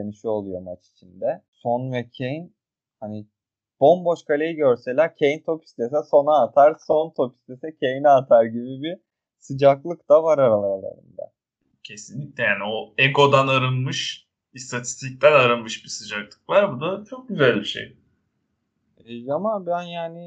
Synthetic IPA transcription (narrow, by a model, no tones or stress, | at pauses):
eniʃio̞lˠujo̞mat͡ʃi̥t͡ʃʰind̪ɛso̞nvɛcʰejin | hani | b̥o̞mbo̞ʃkʰalʲejiɟøɾse̞lʲæɾcʰejint̪ʰo̞pi̥st̪ʰes̬ɛso̞naːt̪ʰaɾso̞nt̪ʰo̞pi̥st̪ʰesɛcʰe̞jinɛːt̪ʰaɾɟibibi | sɯd͡ʒaklˠɯkd̪̥avaɾaɾalˠalˠa̰ɾɯ̰nd̪a̰ | cʰe̞sinlʲicʲlʲɛjaːnio̞eko̞d̪anaɾɯnmɯʃ | ist̪ʰat̪ʰi̥st̪ʰic̚t̪ʰænaɾɯnmɯʃbisɯd͡ʒaklˠɯ̥k̚lˠaɾbud̪at͡ʃʰo̞k̚ɟyzælʲbiʃḛj | ɛamabænjaːni